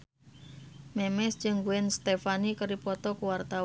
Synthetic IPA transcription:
mɛmɛsd͡ʒɨŋɡuɛnst̪efanikəɾipɔt̪ɔkuwart̪a

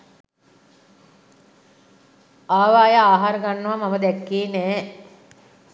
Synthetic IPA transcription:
aːʋaːjəaːɦaɾəɡanːuʋamaməd̪ɛkːeːnɛː

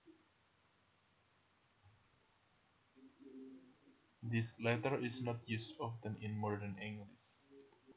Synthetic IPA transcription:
d̪islɛt̪əɹɪsnɔt̪ʰjustɔft̪ɛ̃nɪ̃nmɔɹd̪ənɪ̃ŋɡlɪs

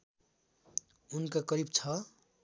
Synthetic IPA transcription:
unkakʌɾibt͡sʰʌ

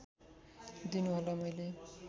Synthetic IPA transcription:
d̪inuɦolʌmʌjle

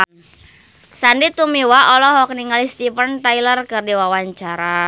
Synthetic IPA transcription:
sandit̪umiwaʔɔlɔɦɔk̚niŋalist̪ipənt̪ailərkɨrdiwawaɲt͡ʃaɾa

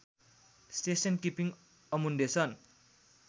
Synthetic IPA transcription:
st̪esɔnkipiŋ | ɔmundesɔn

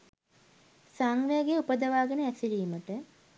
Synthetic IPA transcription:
saŋʋeaɡeupəd̪əʋaːɡənəæsiɾiːməʈə

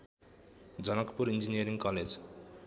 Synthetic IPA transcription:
d͡ʒʌnʌkpuɾind͡ʒinijəɾiŋkɔled͡ʒ

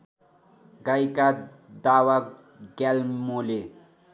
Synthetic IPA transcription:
ɡajka | d̪awa | ɡɛlmole

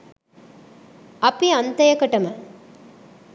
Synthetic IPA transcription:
ɐpiɐnt̪ɐjɐkɐʈɐmɐ

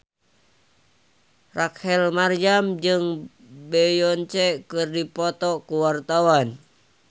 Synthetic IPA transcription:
rakhɛlmarjamd͡ʒɨŋ | bɛjɔnt͡ʃɛkɨrdipɔt̪ɔkuwart̪awan

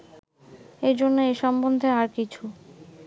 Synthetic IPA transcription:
ed͡ʑonːeeʃɔmbond̪ʱeaɾkit͡ɕʰu

